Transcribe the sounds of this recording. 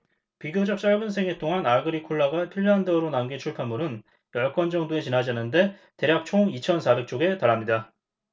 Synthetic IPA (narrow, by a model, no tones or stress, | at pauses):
piɡjod͡ʑʌk̚t͡ɕ͈aɭɡɯnsʰe̞ŋet͈oŋɦanaɡɯɾikʰoɭːaɡapʰiɭːandʌɾonamɡit͡ɕʰuɭpʰamːuɾɯn | pjʌɭk͈ʌnd͡ʑʌŋdoe̞t͡ɕinɦad͡ʑanɯnde̞te̞ɾjak̚t͡ɕʰoŋit͡ɕʰʌnsʰabek̚t͡ɕ͈oɡe̞taɾamɲida